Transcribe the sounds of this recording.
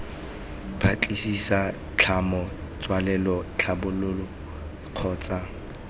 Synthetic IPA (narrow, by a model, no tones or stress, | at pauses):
bʰat͡ɬʼisisa | t͡ɬʰamɔt͡sʼwalɛlɔt͡ɬʰabʊlʊlɔ | q͡χʰɔːt͡sʼa